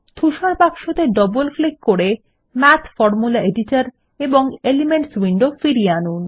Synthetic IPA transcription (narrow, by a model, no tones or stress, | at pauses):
t̪ʰuʃaɾpakʃot̪eɖɔbolklikːoɾe | mɛt̪ʰfɔɾmulaʔeɖiʈaɾ | eboŋelimeɳʈswiɳɖofiɾianun